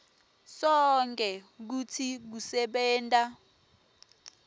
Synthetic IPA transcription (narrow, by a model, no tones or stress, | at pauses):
sɔŋkʼɛk̬ut͡sʰik̬usɛɓɛːntʼa